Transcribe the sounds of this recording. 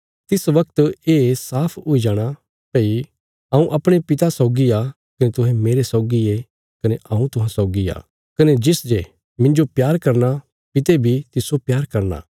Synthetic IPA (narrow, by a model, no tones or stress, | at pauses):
t̪ɪsʋɐk̚t̪eːsaːpʰʊid͡ʒaːɽ̃a | pei | ɐũʔɐpɽ̃epɪt̪asɔʊɡia | kɐnet̪ʊɦɛ̃meːɾesɔʊɡie | kɐneʔɐũt̪ʊɦãsɔːɡia̰ː | kɐned͡ʒɪsd͡ʒe | mɪ̃ɲd͡ʒopjaːɾkɐɾna | pɪt̪ebʱit̪ɪsopjaːɾkɐɾna̰ː